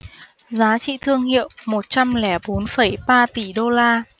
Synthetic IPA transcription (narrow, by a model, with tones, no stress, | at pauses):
zaː˨˦t͡ɕḭ˧˨t̪ʰɨ˧əŋhḭ˧˨əwmo˨˩t̚t͡ɕa˧mlɛ˧˩ɓo˨˦nfə˧˩jɓaː˧t̪i˧˩ɗo˧laː˧